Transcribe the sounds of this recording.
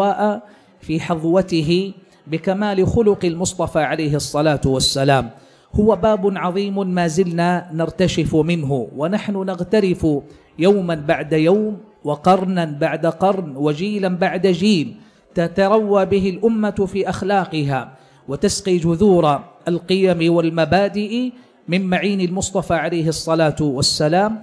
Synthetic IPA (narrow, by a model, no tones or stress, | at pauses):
aːʔa | fiːħɑðˤwɑt̪ɪɦɪ | bɪkamaːlɪxʊlʊqɪlmʊsˤt̪ˤɑfaːʕalajɦsˤːɑlaːt̪ʊwasːalaːm | hʊwabaːbʊnʕɑðˤiːmmaːzɪlnaːnɪɾˤt̪aʃɪfmɪnɦʊwanaħnʊnaɣt̪aɾɪfʊ | jawmanbaʕd̪ajawmwɑqɑɾˤnanbaʕd̪aqɑɾˤnwad͡ʒiːlanbaʕd̪ad͡ʒiːl | t̪at̪ɑɾˤɑwːaːbɪɦɪlʔʊmːafiːʔaxlaːqɨɦaː | wat̪asqiːd͡ʒʊðuːɾˤalqɨjamɪwalmabaːd̪ɪʔ | mɪmmaʕiːnalmʊsˤt̪ˤɑfaːʕalajɦsˤːɑlaːt̪ʊwasːalaːm